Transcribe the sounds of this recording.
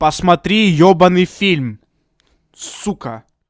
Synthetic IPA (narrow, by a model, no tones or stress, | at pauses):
pɐsmɐt̪ɾʲijɔbɐnɨjfʲilʲm | sukɐ